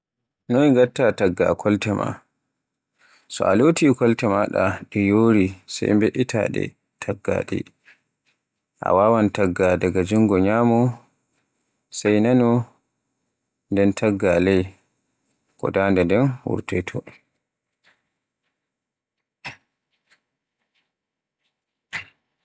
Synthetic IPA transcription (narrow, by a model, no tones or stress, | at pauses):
nɔniŋɡatːataɡːa̰kʰɔltɛmʔa̰ | sɔ̰alotikɔltɛmaɗa̰ɗɛjoːɾisa̰jmbeʔitʰa̰ɗɛ̰ | tʰaɡːa̰ɗɛ̰ | ʔa̰wawantaɡːadaɡad͡ʒuŋɡɔɲaːmɔ | sajnanɔ | ndɛntʰaɡːalɛj | kɔ̰daːndandɛnwṵɾtɛtʰɔ